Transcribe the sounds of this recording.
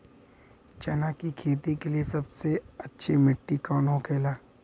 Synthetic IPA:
t͡ʃɐnakikʰeːt̪ikeliesɐbseɐtːʃʰimɪʈːikɔːnɦokʰeːlaː

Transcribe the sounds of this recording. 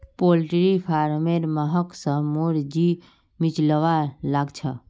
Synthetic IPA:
polʈɾipʰaɾmeɾməɦəksə̃ɦmoɾd͡ʒi | mit͡ʃləʋalaɡt͡ʃʰə

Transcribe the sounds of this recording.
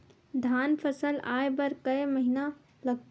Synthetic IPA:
d̪ʱaːnpʰəsəlaːebəɾkəeməɦina | ləɡ

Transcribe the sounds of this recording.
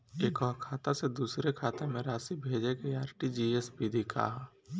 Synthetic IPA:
eːkɔːkʰaːt̪ased̪uːsɾekʰaːt̪amẽɾaːsibʱeːd͡ʒekeaːɾʈid͡ʒiːesbid̪ʱikʰa̰ːɦa

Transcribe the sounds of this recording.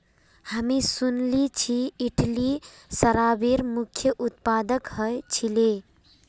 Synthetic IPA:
həmisunlit͡ʃʰiːʈʰli | səɾabeɾmukʰjəʔut̪̚pad̪əkhəjt͡ʃʰile

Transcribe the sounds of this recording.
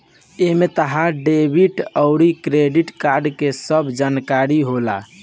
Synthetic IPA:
emet̪əɦaɖebʱiʈəʊɾikɾeɖiʈkaɾɖkesəbd͡ʒankaɾiɦola̰

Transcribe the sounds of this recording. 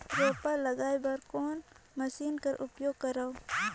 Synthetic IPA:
ɾɛːpaɾlɐɡaːjbɐɾkoːn | mɐsiːnkɐɾʔʊpjoːɡ̚kɐɾaw

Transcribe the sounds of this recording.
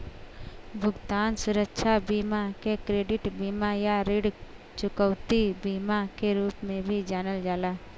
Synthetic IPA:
bʱʊɡt̪aːnsʊɾəkʃʰabiːmakekɾeːɖɪʈbiːmajaɾɪɽ | t͡ʃʊkəwt̪ibiːmakeɾuːpmẽbʱid͡ʒaːnəld͡ʒaːlaː

